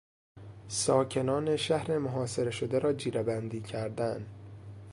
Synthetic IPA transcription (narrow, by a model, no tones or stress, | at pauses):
sɒːcʰe̞nɒːne̞ʃæhɾe̞moɦɒːse̞ɾe̞ʃo̞d̪eɾɒːd͡ʒiːɾebænd̪iːcʰæɾd̪æn